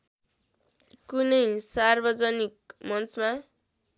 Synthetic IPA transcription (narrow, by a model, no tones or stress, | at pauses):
kunʌjsarbʌd͡zʌnik̚mʌnt͡sma